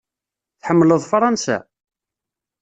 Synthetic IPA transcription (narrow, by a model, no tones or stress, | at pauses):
θħəmːləðˤfɾˤɑnsæ̰